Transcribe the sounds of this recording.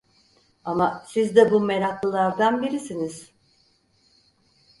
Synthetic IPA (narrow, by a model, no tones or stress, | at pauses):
amasizd̪ɛbumeɾaklˠɯlˠaɾd̪anbiɾisiniz̥